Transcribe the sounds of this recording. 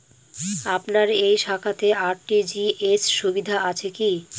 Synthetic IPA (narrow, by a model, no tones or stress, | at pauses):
apnaɾejʃakʰat̪eʔaɾʈid͡ʑiesʃubid̪ʱaʔat͡ɕʰeki